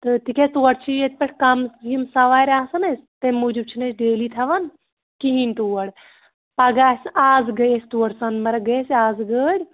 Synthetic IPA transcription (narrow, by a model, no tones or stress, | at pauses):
t̪ɨt̪ikʲest̪uːɐɽt͡ʃʰiet̪̚ʲpɐʈʰʲkɐmjimsɐʋaːɾʲaːsɐnɐsʲt̪emuːd͡ʒub̚t͡ʃʰinɐsʰɖeːliːt̪ʰɐʋɐn | kiɦinʲt̪uːɐɽ | pɐɡaːsaːzɡɐjest̪uɐɽsɐnmɐɾɐɡɐesaːzɡəːɾʲ